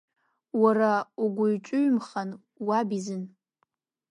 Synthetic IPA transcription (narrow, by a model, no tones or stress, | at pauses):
warauɡʷʊɥt͡ʃʷʼʊɥmχan | wabizɨn